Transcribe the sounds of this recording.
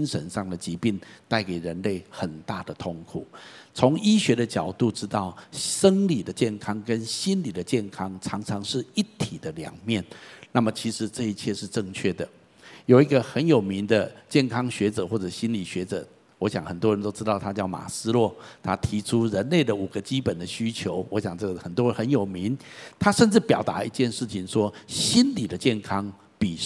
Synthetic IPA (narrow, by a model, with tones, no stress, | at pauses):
i˥nʂə˧˦nʂɑ˥˩ŋd̪ə˩t͡ɕi˧˥pi˥˧ŋt̪a˥˩ɪke˨˩ɪɻə˧˦nle˥˩ɪxə˨˩nt̪a˥˩d̪ə˩t̪ʰo˥˩ŋkʰu˨˩t͡sʰo˧˥ŋi˥ɕɥɛ˧˥ɾə˨t͡ɕjɑ˨˩ʊt̪u˥˩ʈ͡ʂɻ̩˥t̪ɑ˥˩ʊʂə˥ŋli˨˩d̪ə˦t͡ɕjɛ˥˩nkʰɑ˥ŋkə˦nɕi˥nli˨˩d̪ə˦t͡ɕjɛ˥˩nkʰɑ˥ŋt͡sʰɑ˧˥ŋt͡sʰɑ˧˥ŋʂɻ̩˥˩i˥˩t̪ʰi˨˩d̪ə˦ljɑ̰˧˥ŋmjɛ˥˩nna˥˩mə˩t͡ɕʰi˧˥ʂɻ̩˧˦ʈ͡ʂɤ˥˧i˧t͡ɕʰjɛ˥˧ʂɻ̩˥˧ʈ͡ʂə˥˧ŋt͡ɕʰɥɛ˥˩d̪ə˩ | jo˨˩ʊi˧˦˥ɡə˨xə˧˦njo˨˩ʊmi˧˥ŋd̪ə˧t͡ɕjɛ˥˩nkʰɑ˥ŋɕɥɛ˧˥ʈ͡ʂɤ̰˨˩˦xwɔ˥˩ʈ͡ʂɤ˨˩ɕi˦˥nli˨˩ɕɥɛ˧˥ʈ͡ʂɤ̰˨˩˦ | wɔ˧˦˥ɕjɑ̰˨˩ŋxə˨˩nt̪wɔ˥ɻə˧˦nt̪o˥ʊʈ͡ʂɻ̩˥t̪ɑ˥˩ʊt̪ʰa˥t͡ɕjɑ˥˩ʊma̰˨˩sɹ̩˥lwɔ˥˩t̪ʰa˦˥t̪ʰi˧˥ʈ͡ʂʰu˥ɻə˧˦nle˥˩ɪd̪ə˩u˨˩ɡ̥ə˦t͡ɕi˥pə˨˩nd̪ə˦ɕy˥t͡ɕʰjo˧˥ʊwɔ˧˥ɕja˨˩ŋʈ͡ʂɤ˥˩ɡə˩xə˨˩nt̪wɻə˧˦nxə˧˦njo˨˩ʊmi˧˦nt̪ʰa˥ʂə˥˧nt͡sɻ̩˥˩pjɑ˨˩ʊt̪a̰˧˥i˧˥t͡ɕjɛ˥˧nʂɻ̩˥˩t͡ɕʰi˨˩ŋʂwɔ˥ɕi˦˥nli˨˩d̪ə˦t͡ɕjɛ˥˩nkʰɑ˦ŋ | pi˨˩